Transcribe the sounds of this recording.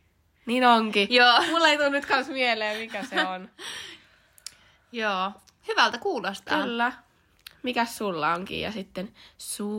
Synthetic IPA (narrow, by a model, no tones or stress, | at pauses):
niːnoŋkijoːmulːeit̪unnyt̪kɑnsmieleːmikæseon | joː | hyʋælt̪ækuːlost̪ɑ̰ylːæ | mikæssulːɑ̰oŋkḭːjɑ̰sit̪ːensuː